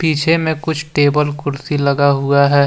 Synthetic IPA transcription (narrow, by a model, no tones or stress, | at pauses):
piːt͡ʃʰemẽkʊt͡ʃʰʈeːbəlkʊɾsilɐɡaɦʊaɦɛː